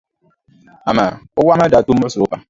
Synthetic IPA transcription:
a˨ma˨ʊ˦wa˦ma˦da˨to˦a˦sʊ˨ʊ˦ba˨

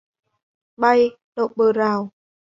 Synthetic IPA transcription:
ɓa˧j | ɗo̰˧˨˩t̚ɓəː˨˩zaː˨˩w

